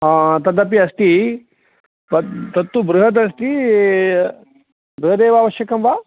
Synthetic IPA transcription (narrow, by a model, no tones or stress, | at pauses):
ɦãːt̪ɐd̪ɐp̬iɐsʈi | pɐt̪ɐt̪ːubɾuɦɐt̪̬ɐs̬ʈi | bɾuɦɐd̪eːʋaːʋɐʃjɐkɐmʋaː